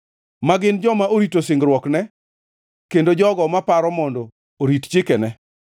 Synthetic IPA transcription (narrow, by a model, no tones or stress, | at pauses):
maɡɪnd͡ʒɔmaʔoɾitosɪŋɡɾwɔknɛ | kendod͡ʒɔɡɔmapaɾɔmɔndɔː | ɾitt͡ʃɪkɛnɛ